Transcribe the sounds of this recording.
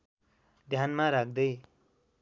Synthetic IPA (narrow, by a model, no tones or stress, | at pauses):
d̪ʱjanmaɾak̚ʰd̪ʌj